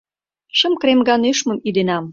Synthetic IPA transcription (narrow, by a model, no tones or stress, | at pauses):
ʃə̆mkremɡɑneʃmə̆mid̪enɑm